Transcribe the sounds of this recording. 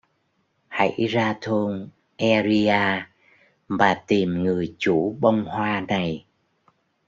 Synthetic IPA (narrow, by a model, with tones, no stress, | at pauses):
ha̰˧˥jzaː˧t̪ʰo˧n | ʔɛ˧zi˧aː˧ | maː˨˩t̪i˨˩mŋɨ˨˩əjt͡ɕu˧˥ɓə˧wŋ͡mhwaː˧na˨˩j